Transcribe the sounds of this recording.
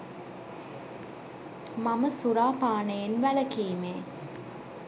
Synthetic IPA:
maməsuɾaːpaːnejenʋæləkiːmeː

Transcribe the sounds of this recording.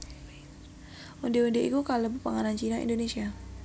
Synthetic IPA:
undeundeʔikukaləbəpaŋanant͡ʃinaḭndonesia

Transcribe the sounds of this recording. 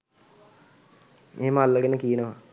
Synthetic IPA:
eːməalːəɡenəkijənəʋa

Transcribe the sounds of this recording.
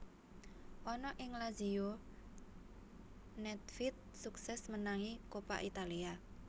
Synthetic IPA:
ʔɔnɔʔɪŋlazio | nɛt̪̚fit̪̚suksɛsmənaŋikopa̰ʔit̪alia

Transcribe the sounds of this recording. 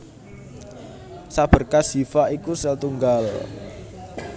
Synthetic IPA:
sab̥ə̤rkasi̤faʔikusɛlt̪uŋɡal

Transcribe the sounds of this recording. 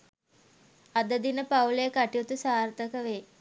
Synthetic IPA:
ad̪əd̪inəpawləjəkaʈijut̪usaːrt̪əkəʋe

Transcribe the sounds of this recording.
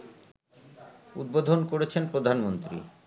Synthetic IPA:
ṵd̪̚bod̪ʱonkoɾet͡ɕʰenpɾod̪ʱanmont̪ɾḭ

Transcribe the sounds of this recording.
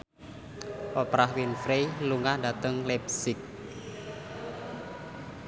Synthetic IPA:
ʔɔpɾahwinfɾeluŋahdat̪əŋlɛpsɪk̚

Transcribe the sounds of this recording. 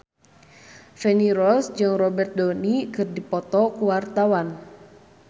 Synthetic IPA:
fɛniɾɔsd͡ʒɨŋrɔbɛrt̪̚dɔnikɨrdipɔt̪ɔkuwart̪awan

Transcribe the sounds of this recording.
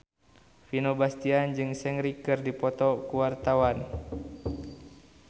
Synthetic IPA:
finobast̪iand͡ʒɨŋsɛŋɾikɨrdipɔt̪ɔkuwart̪awan

